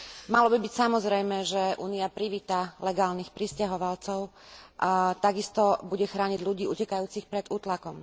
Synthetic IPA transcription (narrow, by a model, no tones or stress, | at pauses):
malɔbibicsamɔzɾɛjmɛʒɛʔṵːniapɾiʋiːt̪alɛɡaːlnixpɾiscaɦɔʋalt͡sɔʊ | t̪aɡist̪ɔbuɟɛxɾaːɲiɟʎuɟiːucɛkajuːt͡sixpɾɛd̪uːt̪lakɔm